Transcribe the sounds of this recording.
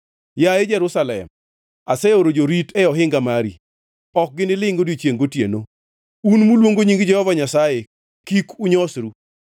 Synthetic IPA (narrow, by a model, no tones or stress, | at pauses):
jaed͡ʒɛɾusalɛ̰m | asɛoɾod͡ʒoɾitɛɔɦɪŋɡamaɾḭ | ɔk̚ɡɪnɪlɪŋɡodit͡ʃjeŋɡotjḛno | unmulwoŋɡoɲiŋɡɪd͡ʒɛhɔvaɲasaje | kikuɲɔsɾu